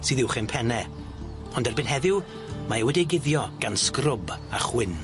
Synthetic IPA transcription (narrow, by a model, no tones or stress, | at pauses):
sɨːðɪwχɪnpʰɛnɛ | ɔndɛrbɨnɦɛðɪw | maɛwɛdiɡɪðjɔɡ̥anskrʊbaχwɪn